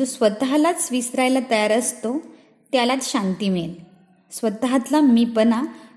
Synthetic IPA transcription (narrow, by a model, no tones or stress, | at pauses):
d͡zosʋət̪ɦalat͡ssʋisɾajlat̪əjaɾəst̪o | t̪jalat͡s̪ɕant̪iːmel | sʋət̪ɦat̪lamipəna